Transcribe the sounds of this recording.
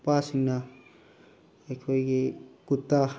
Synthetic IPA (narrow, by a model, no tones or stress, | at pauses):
pasinːa | ekʰoikekut̪ːa